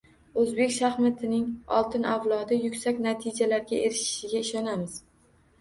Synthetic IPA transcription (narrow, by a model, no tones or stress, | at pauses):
ɵzbe̞kʲʃahmɪt̪ʰɪnɪŋɒ̰lˠt̪ʰɪnavlˠɒd̪ɪjʊkʲsakʲnat̪ʰɪd͡ʒalaɾɡʲaʔeɾɪʃɪ̥ʃɪɡʲaɪʃɒnamɪz̥